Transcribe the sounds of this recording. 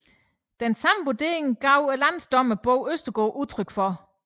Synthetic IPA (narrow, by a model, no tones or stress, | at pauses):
d̥ensɑ̈m̩ʋod̥e̝̰ːɐe̝ŋɡ̥ɑ̈ʊ̰ælæn̰sd̥ɒ̽m̰əb̥ɔʊ̰øsd̥ɐɡ̥ɔːʔut͡sʰʁœɡ̥fɒ̽